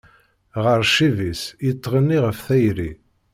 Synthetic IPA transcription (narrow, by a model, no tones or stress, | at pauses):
ʁəɾˤʃivisjit̪ˤːʁənːiʁəfθæjɾi